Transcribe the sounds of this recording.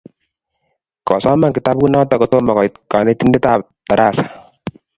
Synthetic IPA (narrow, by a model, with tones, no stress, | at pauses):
kɔ˨sɔ˦ma˦ŋki˨ta˦p̚ku˦nɔ˦tɔ˦kɔ˨to˦mɔ˨kɔ˨jka˨ne˦ti˦nde˦ta˦˨p̚ | ta˨ɾa˦˨sḁ˨